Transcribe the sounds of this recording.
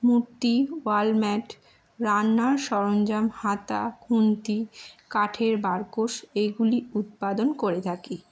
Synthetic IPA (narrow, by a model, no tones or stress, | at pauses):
muɾt̪iwalmɛʈ | ɾanːaɾʃɔɾond͡ʑamhat̪a̰kʰunt̪ikaʈʰeɾbaɾkoʃeɡuliut̪̚pad̪onkoɾet̪ʰaki